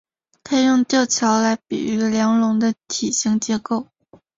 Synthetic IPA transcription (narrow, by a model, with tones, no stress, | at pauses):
t̪ʰe˥ɪjʊ˥˧ŋt̪jɑ˥˩ʊt͡ɕʰjɑ˧˥ʊla˧˥ɪpḭ˨˩y˧˥ljɑ˧˥ŋlʊ˧˥ŋd̪ə˧t̪ʰi˨˩ɕi˥˩ŋt͡ɕjɛ˧˥ko˥˩ʊ